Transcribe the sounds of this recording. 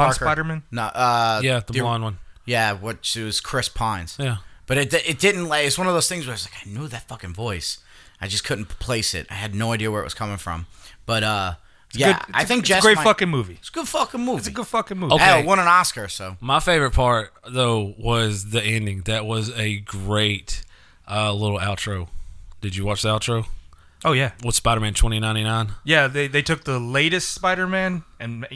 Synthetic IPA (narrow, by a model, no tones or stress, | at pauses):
saɪɾə˞mɨ̃nnoʔʌjæðəbɑ̃nwʌ̃njæwʌt͡ʃwʌz̥kʰɹ̥ɪspʰãɪ̃nz̥jæb̥ʌɾɨt̚ɪt̚d̥ɪdⁿn̩ʔˡlaɪkɨtswʌ̃nʌvðoʊz̥θɪ̃ŋzwəɾaɪʌzlaɪkaɪnjuðɨtfʌkɨ̃nvɔɪs | ʔaɪd͡ʒʌskʰʊdⁿn̩pʰl̥eɪsɪ̰t̚a̰ɪɨdⁿnoʊaɪdiɨwə˞ɨʔ̚wʌ̰z̥kʰʌmɪ̃ŋfɹʌ̰̃mb̥ʌɾʌ | jæʊa̰ɪθɪ̃ŋ̚d̥ʒ̥əɡɹɪfʌkɨ̃ŋmuvisɡ̥ʊd̥fʌkə̃nmuvɪtsɨɡʊd̥fʌkɨ̃nmuoʊɛwʌ̃ñə̃nɑskə˞soʊmaɪfeɪvə˞ɨt̚pʰɑɹt̚ðoʊwʌzðiɛ̃ndɪ̃ŋðɨt̚wʌzɨɡɹeɪt̚ | ʔʌlɪɾl̩ˠælˠtʰɹ̥oʊd̥ɨd͡ʒɨwɑt͡ʃðiælˠtʰɹ̥oʊ | oʊjæwə̥spaɪɾə˞mæ̃ntʰw̥ɛ̃ɾ̃inãɪ̃ɾ̃inãɪ̃njæðeɪðeɪtʰʊk̚ðəleɪɾɨstspaɪɾə˞mæ̃nɨ̃n